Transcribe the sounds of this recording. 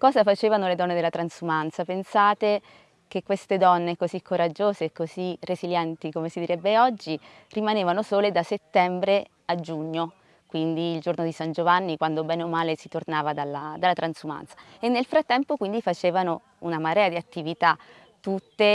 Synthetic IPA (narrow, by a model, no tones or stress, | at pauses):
kɔːzafat͡ʃeːvanoled̪ɔnːed̪elːat̪ɾansumant̪sapensaːt̪e | kekːwest̪ed̪ɔnːekozikʰːoɾad͡ʒːoːzeːkːozireziljɛnt̪ikomesid̪iɾɛbːeɔd͡ʒːi | rimaneːvanosoːled̪aset̪ːɛmbɾe | ad͡ʒuɲːo | kwind̪iːld͡ʒornod̪isand͡ʒovanːikwand̪obɛːnomːaːlesit̪ornaːvad̪alːad̪alːat̪ɾansuma̰nt̪sḁ | enːelfɾat̪ːɛmpokwind̪ifat͡ʃeːvano | unamaɾɛːad̪iat̪ːivit̪a | t̪ːut̪ːe